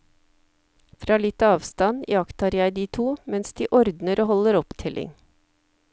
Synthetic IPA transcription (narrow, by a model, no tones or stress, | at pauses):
fɾɑːlɪt̪əɑːʋst̪ɑnjɑkt̪hɑːɾjæɪd̪iːt̪ʰuːmɛnsd̪iːʔɔɾd̪nəɾʔoːhɔləɾɔpt̪ʰɪlʔɪ̰ŋ